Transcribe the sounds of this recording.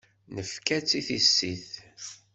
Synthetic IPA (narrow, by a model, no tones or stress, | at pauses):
nəfkæt͡sːiθisːiθ